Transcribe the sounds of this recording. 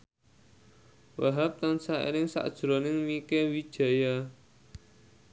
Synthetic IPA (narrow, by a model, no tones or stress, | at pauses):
waɦap̚t̪ansaḭɾɪŋsa̰d̥ʒ̥ɾɔnɪŋmikewid̥ʒ̥ä̤ja